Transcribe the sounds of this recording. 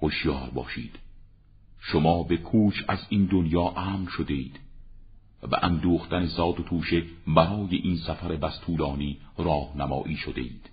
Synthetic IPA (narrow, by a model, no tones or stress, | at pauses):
hoʃjɒːɾbɒ̰ːʃiːd̪̥ | ʃomɒːbe̞kʰuːt͡ʃʰæ̰ziːnd̪onjɒːʔæːmnʃod̪e̞iːd̪̥ | bæ̰ʔænd̪uːxt̪æne̞zɒːd̪ot̪ʰuːʃe̞bæɾɒːjeʔiːnsæfæɾebæst̪ʰuːlɒːniːɾɒːhnæmɒ̰ːʔiːʃod̪e̞̰ʔiːd̪̥